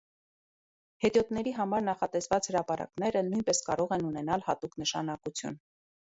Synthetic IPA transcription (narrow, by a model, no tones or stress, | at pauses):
hɛt̪jɔt̪nɛɾiɦɑmɑɾnɑχɑt̪ɛsvɑt͡shəɾɑpɑɾɑ̰knɛɾənujnpɛskɑ̰ɾɔʁɛnunɛnɑlhɑt̪uknəʃɑ̰nɑkut͡sʰjṵn